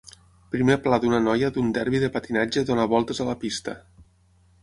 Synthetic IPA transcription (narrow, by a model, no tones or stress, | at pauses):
pɾimeplad̪unənɔjəd̪und̪ɛɾβiðəpat̪inad͡ʒəðonaβ̞ɔlˠt̪əzəlɐpist̪ə̰